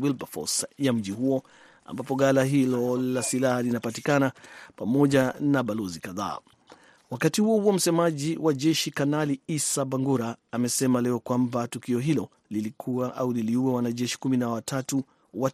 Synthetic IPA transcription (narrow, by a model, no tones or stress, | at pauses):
wilbafɔ̰sjam̩ʄiɦuɔ | a̰mbapɔɡalaɦilɔlasilahalinapatikanapamɔʄanaɓalɔzikaða̰ː | wakatihuɔhuɔm̩sɛmaʄiwʔaʄɛʃikanaliisabaŋɡuɾaːmɛsɛmalɛɔkwambatukiɔɦilɔ | lilikʰuaʔauliliuwɛwanaʄɛʃi̥kuminawatʰatu | wa